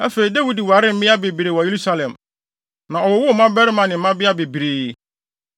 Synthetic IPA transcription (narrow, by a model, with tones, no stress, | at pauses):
æ˦fe˨ɾi˨da˦wi˦di˨wa˨ɾɪ˦m̩˦mɪ̃˦a˦be˨bi˨ɾe˨wɔ˨je˦ɾu˦sa˦lɛ̃˨m | nã˨ɔ˨wʊ˨˦wʊ˦˨˦mã˦bɛ˦ɾɪ˦mã˨nɪ̃˨˦ã˦bɪ˦a˦be˨bi˨ɾeː˨